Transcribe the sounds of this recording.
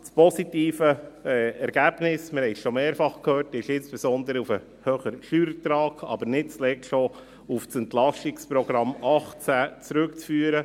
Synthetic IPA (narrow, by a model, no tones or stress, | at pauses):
spɔsitiːfəɛɛɾɡ̥æːb̥nɪsməɾhɛɪʃomeːɾfɑχkʰøːrtɪʃɪnsb̥ɛsɔnd̪əɾəufə | høːχəɾʃyːɾtɾɑːkɑ̰bəɾnɪt̚t͡slɛkʃo | ufsɛntlɑʃtikspɾɔɡɾɑmɑχt͡sæːt͡sɾʉkt͡sfyːəɾə